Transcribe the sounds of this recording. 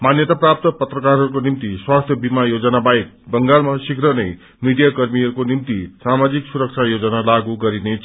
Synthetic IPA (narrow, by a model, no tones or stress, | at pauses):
manjʌt̪aprap̚t̪ʌpʌt̪rʌkarɦʌɾukonimt̪iswast̪ʰjʌbimajod͡zʌnabajek̚ | bʌŋɡalmasikɾʌnʌj | miɖijakʌrmiʌɾukonimt̪isamad͡ziksuɾʌk̚t͡sʰajod͡zʌnalaɡuɡʌɾinet͡sʰ